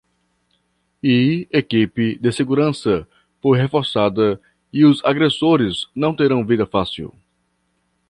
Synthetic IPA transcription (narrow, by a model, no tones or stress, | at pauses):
iekipɪd̪ɪseɡuɾɐ̃sɐ | fojɦefɔɾsad̪ɐ | iʊzaɡɾesoɾɪznɐ̃w̃t̪eɾɐ̃w̃vid̪ɐfasḭw